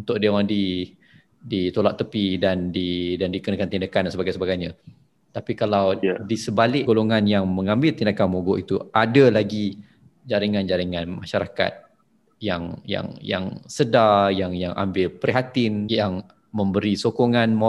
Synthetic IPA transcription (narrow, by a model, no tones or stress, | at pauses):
unt̪ʊʔ̚diawaŋdi | dit̪olaʔ̚t̪əpidandidandikənakant̪indakandansəbaɡajsəbaɡajɲã | t̪apikalawdisəbalɪɡoloŋanjaŋməŋãmbɪlt̪indakanmoɡoʔit̪uʔadalaɡi | d͡ʒaɾiŋand͡ʒaɾiŋãnmaʃaɾaka̰t̪̚ | jaŋja̰ŋja̰ŋsədajaŋjaŋʔa̰mbɪlpəɾiɦat̪ɪnjaŋ | mə̃mbəɾisokoŋanmo